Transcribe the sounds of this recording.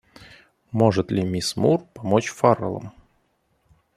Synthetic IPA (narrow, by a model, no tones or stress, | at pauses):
moʐɨt̪lʲɪmʲɪsmurpɐmot͡ɕfarə̰lˠə̰m